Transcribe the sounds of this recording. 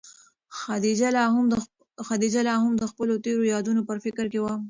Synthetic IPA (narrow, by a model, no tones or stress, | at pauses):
xad̪id͡ʒalɑm | xad̪id͡ʒalɑɦamd̪əxpəlot̪eɾojɑd̪unopəɾfɪkəɾkewa